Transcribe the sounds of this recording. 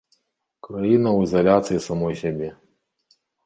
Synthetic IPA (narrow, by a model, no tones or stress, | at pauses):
kɾajinɐwizɐlʲat̪sɨjisɐmɔjsʲabʲe